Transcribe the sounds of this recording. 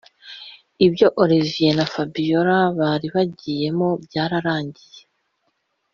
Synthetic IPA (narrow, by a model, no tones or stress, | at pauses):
ibjo̞ʔoɾivijenafabijoɾaβaɾiβaɟiːje̞mo̞bjaːɾaɾaːɲɟije̞